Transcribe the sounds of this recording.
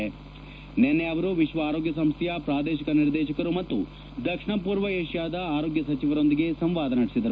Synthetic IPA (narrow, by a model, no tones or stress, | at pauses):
e | nenːeɐʋɐɾuʋiʃʋɐaːɾoːɡjɐsɐmst̪ʰjɐpɾaːd̪eːʃikɐniɾd̪eːʃɐkɐɾumɐt̪ːu | d̪ɐkʂɳɐpuːɾʋɐeːʃjaːd̪ɐaːɾo̞ːɡjɐsɐt͡ʃiʋɐɾo̞nd̪iɡe̞sɐmʋaːd̪ɐnɐɽisid̪ɐɾu